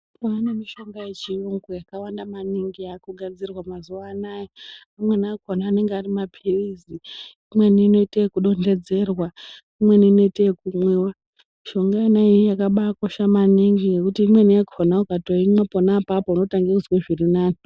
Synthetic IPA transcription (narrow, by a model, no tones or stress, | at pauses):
poanemiʃo̞ŋɡaje̞t͡ʃioŋɡojakawandamaniŋɡiakuɡʱad͡zirwamazuʋaːnajiamwe̞niakonaːne̞ŋɡarimapʰiriziː | mwe̞niːno̞iteekuɗo̞nde̞d͡ze̞rwa | imwe̞niːno̞iteekumwewa | miʃo̞ŋɡainaijakaɓako̞ʃamaniŋɡije̞kutiːmwe̞nijakonaukatoimweponapapoino̞taŋɡeusweʐirinaːni